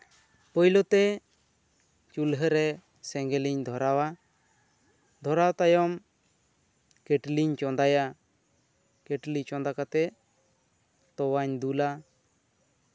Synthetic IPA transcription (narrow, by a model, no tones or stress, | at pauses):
pɔjlɔt̪ɛ | t͡ʃulɦəɾɛ | sɛŋɡɛliɲd̪ʱɔɾawa | d̪ʱɔɾawt̪ajɔm | keʈliɲt͡ʃɔnd̪aja | keʈlit͡ʃɔnd̪akat̪ɛ | t̪ɔwaɲd̪ula